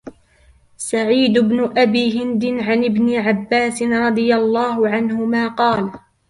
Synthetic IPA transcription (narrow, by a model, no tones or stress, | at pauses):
saʕiːd̪ʊbnʊʔabiːɦɪnd̪ɪnʕanʔɪbnɪʕabːaːsɪnɾˤɑd̪ˤɨjalˤːɑːhʊʕanhʊmaːqɑːl